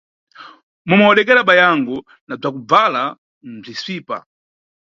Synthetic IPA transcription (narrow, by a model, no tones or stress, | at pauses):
mumaɔɗɛk̬ɛɾaɓajaŋɡɔ | nab͡ʐakub͡vala | m̩b͡ʐisʷiːpa̰